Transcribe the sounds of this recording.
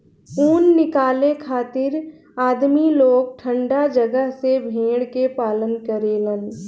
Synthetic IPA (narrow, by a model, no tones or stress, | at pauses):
uːnːɪkaːlekʰaːt̪ɪɾ | aːd̪miloːɡ̚ʈʰə̃ɳɖad͡ʒəɡəɦsebʱẽːɽkepaːlənkəɾeːlən